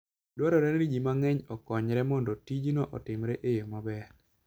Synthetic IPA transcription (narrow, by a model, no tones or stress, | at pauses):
dwɔɾɔɾɛnɾid͡ʒimaŋɛɲɔkɔɲɾɛmɔndɔtid͡ʒnɔʔɔ̰tɪmɾɛʔejomabɛɾ